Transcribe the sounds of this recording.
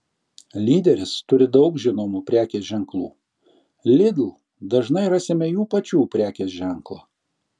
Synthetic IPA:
lʲiːd̪ʲɛɾʲɪst̪ʊɾʲɪd̪ɒʊkʒʲɪnoːmuːpʲɾʲæːkʲeːsʒʲɛŋklˠṵː | lʲɪd̪ʲlˠ | d̪ɐʒnɐɪɾɐsʲemʲɛjuːpɐt͡ʃʲuːpʲɾʲæːkʲeːsʒʲɛŋklˠoː

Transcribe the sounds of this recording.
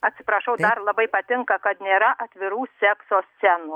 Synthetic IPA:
ɐt̪ʲsʲɪpɾɐʃɐʊd̪ɐɾlˠɐbɐɪpɐt̪ʲɪŋkɐkɐt̪nʲeːɾɐʔɐt̪ʲʋʲɪɾuːsʲɛksoːsʲsʲɛnu

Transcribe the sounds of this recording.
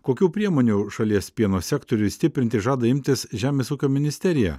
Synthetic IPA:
koːkʲuːpʲɾʲiɛmoːnʲuʃɐlʲiɛspʲiɛnoːsʲækt̪oɾʲʊɪsʲt̪ʲɪpʲɾʲɪnt̪ʲɪʒɑːd̪ɐɪmʲt̪ʲɪsʒʲæːmʲeːsuːkʲoːmʲɪnʲɪsʲt̪ʲɛɾʲɪjæ̰

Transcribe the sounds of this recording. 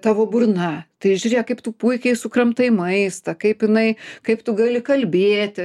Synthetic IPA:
t̪ɑːʋoːbʊrnɐt̪ɐɪʒʲuːɾʲeːjɛkɐɪpt̪ʊpuɪkʲɛɪsʊkrɐmt̪ɐɪmɐɪst̪ɐkɐɪpɪnɐɪkɐɪpt̪ʊɡɑlʲɪkɐlʲbʲeːt̪ʲɪ

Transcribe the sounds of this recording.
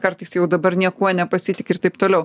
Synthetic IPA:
kɐɾt̪ɨɪsjɛʊd̪ɐbɐɾnʲiɛkuɔnʲɛpɐsʲɪt̪ʲɪkʲɪɾt̪ɐɪp̚t̪oːlʲɛʊ

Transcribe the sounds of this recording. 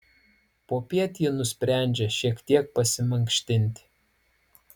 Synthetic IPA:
poːpʲiɛt̪ʲinʊsʲpʲɾʲæˑnʲd͡ʒʲɛʃʲiɛkt̪ʲiɛk̚pɐsʲɪmɐŋʲkʃʲt̪ʲɪnʲt̪ʲɪ

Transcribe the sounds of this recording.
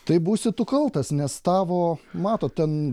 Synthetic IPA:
t̪ɐɪbuːsʲɪt̪ʊkɐlˠt̪ɐsnʲɛst̪ɑːʋoːmɑːt̪oːt̪̚t̪ʲɛn

